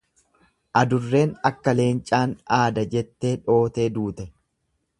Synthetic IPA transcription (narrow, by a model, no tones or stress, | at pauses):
ʔɐd̪ʊrːe̞ːnɐkːɐle̞ːnt͡ʃʼaːnaːd̪ɐd͡ʒɛt̪ːe̞ːᶑo̞ːt̪e̞ːd̪uːt̪ɛ